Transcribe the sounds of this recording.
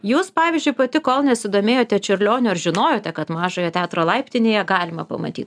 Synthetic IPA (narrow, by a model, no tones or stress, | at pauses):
juːspɑːʋʲizʲd͡ʒʲʊɪpɐt̪ʲɪkoːlˠnʲɛsʲɪd̪oːmʲeːjoːt̪ʲɛt͡ʃʲɪɾʲlʲoːnʲʊɐɾʒʲɪnoːjoːt̪ʲɛkɐt̪mɑːʒoːjɛt̪ʲæːt̪ɾoːlˠɐɪpʲt̪ʲɪnʲeːjɛɡɑːlʲɪmɐpɐmɐ̰t̪ʲḭːt̪